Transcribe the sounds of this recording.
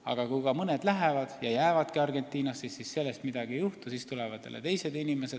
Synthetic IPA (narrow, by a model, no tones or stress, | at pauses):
ɑ̰ɡ̥ɑkujɡɑmɤne̞d̪læɦe̞vɑd̪̥jɑjæevɑd̪kiɑrɡe̞nt̪ːˑiːnɑsːisːisse̞lːe̞st̪mid̪̥ɑɡiejuht̪usiːst̪ulevɑd̪ːḛlḛt̪e̞jse̞d̪inime̞se̞d̪̥